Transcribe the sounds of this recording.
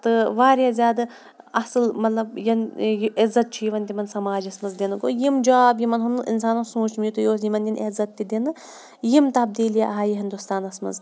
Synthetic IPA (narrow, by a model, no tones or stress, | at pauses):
t̪ɨʋaːɾjaːzʲjaːd̪ɐ | ɐsɨlmɐt̪lɐb̚jɐnjʔɪzːɐt̪̚t͡ʃʰujiʋɐnt̪imɐnsɐmaːd͡ʒɐsmɐzd̪enɨko̰jimd͡ʒaːbjimɐnɦunɨʔḭnsaːnɐnsũːt͡ʃʰmijut̪ujoːsimɐnd̪ʲinʔɐzɐt̪ːid̪inɨ | jimt̪ɐb̚d̪iːljaɐɦaːjiɦind̪ust̪aːnɐsmɐ̰z